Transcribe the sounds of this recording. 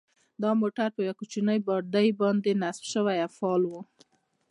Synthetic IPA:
d̪ɑmoʈaɾpəjwakut͡ʃinəjbɑɾd̪əjbɑnd̪enasfʃəwajafɑlwu

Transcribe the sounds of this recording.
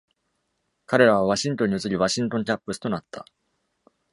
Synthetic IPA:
kaɾe̞ɾaβ̞aβaɕĩnt̪o̞ɲ̟ːiɯt͡sɨɾʲiβaɕĩnt̪o̞nt͡ɕapːɯ̟sɨ̥t̪o̞nat̪ːa̰

